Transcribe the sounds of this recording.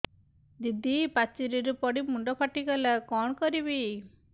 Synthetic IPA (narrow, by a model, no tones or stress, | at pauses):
d̪id̪ipat͡ʃiɾiɾupɔɽimuɳɖɔpʰaʈikɔlakɔɳkɔɾibi